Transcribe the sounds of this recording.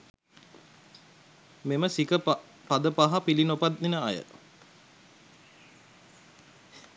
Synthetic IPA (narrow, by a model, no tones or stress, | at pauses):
meməsikə | pad̪əpaɦapilinopat̪̚ninəajə̰